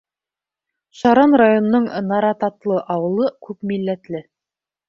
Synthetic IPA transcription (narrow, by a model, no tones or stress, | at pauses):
ʃɑɾɑnrajon̆nɤɴnɑɾɑt̪ɑt̪lˠɤʔɑwɤ̆lˠɤkʉpmilːæt̪lɘ